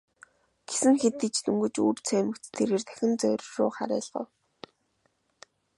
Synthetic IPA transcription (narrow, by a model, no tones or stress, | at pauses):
ɡ̥e̥sɘ̆ŋxet̪ːĭt͡ɕt̪ɵmɡɵ̆t͡ɕuːrt͡sʰœːmɘ̆ktt̪ʰeɾeːrt̪ʰæ̥xʲɪ̆nt͡sœ̰wr̆ʲʃʊ̰ːχa̰ɾæ̰ːɮʁ̥ə̰̆ː